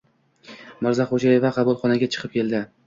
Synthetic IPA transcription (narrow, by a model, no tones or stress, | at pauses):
maɾzaχod͡ʒaje̞vaqʰɑbulˠχɒnaɡʲat͡ʃʰɨ̥qʰɨp̚kʲʰe̞ld̪ɪ